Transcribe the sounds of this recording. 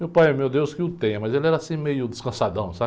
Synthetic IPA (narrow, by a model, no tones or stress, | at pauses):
mewpajɛmewd̪ewskɪʊt̪ẽj̃ɐmɐzelɛɾɐasĩmejʊd̪ɪskɐ̃sad̪ɐ̃w̃sa